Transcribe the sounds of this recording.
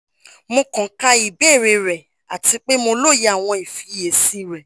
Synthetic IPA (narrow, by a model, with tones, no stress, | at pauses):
mõ˧kɔ̃˨˦ka˧i˨be˦˨ɾe˧ɾɛ˨ | a˨ti˧k͡pe˦mo˧lo˦˨je˧˦a˦˨w̃ɔ̃˧i˨fi˧˦je˨si˨˦ɾɛ˨